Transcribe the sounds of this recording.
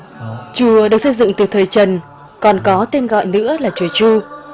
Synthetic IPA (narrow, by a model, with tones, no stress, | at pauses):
t͡ɕu˨˩˦əɗɨ˨˩ək̚sə˧jzɨ̰˧˨ŋt̪ɨ˨˩t̪ʰəː˨˩jt͡ɕə˨˩n | kɔ˨˩nkɔ˨˦t̪e˧nɣɔ̰˧˨jnɨ̰˧˥əlaː˨˩t͡ɕu˧˩ət͡ɕu˧